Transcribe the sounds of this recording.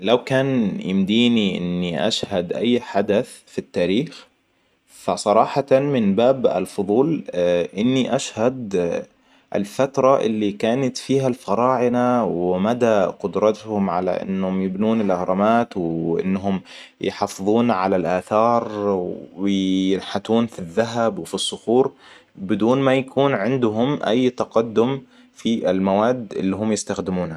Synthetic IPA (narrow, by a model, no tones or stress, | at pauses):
lawkaːnjɪmd̪iːniʔɪ̰nːiʔa̰ʃhad̪ʔa̰jːħad̪aθ | fit̪ːaːɾiːx | fasˤɑɾˤɑːħɑmɪnbaːba̰lfʊðˤuːlʔɪnːiʔaʃhad̪ | ʔɪ̰lfat̪ɾˤɑʔɪ̰lːikaːnat̪fiːɦalfɑɾˤɑːʕɪnawɪmad̪aqʊd̪ɾˤɑt̪hʊmʕa̰la̰ʔɪ̰nːhʊmjɪbnuːnɪlʔahɾˤɑmaːt̪wʔɪ̰nːɦʊm | jħɑːfɨðˤuːnʕalalʔaːθɑːɾˤ | ɪjɪnħat̪uːnfiðːaɦabwfisˤːʊxuːɾbɪd̪uːnmajakuːnʕɪnd̪ɦʊmʔa̰jːt̪ɑqɑd̪ːʊm | fiʔɪlmawaːd̪ɪ̰lːiɦʊmjɪst̪axd̪ɪmuːnha